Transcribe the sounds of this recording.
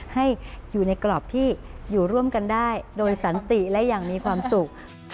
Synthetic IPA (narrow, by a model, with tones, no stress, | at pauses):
ha˥˩jjuː˨˩na˧jklɔː˨˩p̚t̪ʰiː˥˩juː˨˩ɾu˥˩əmka˧ndaː˥˩jdoː˧jsa˩˦nt̪i˨˩lɛ˦˥jaː˨˩ŋmiː˧kʰwaː˧msu˨˩k̚